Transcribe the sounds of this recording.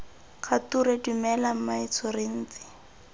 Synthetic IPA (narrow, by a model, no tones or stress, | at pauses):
kʰatuɾedumɛlam̩mait͡sʰɔrɪn̩ːt͡sɪ̥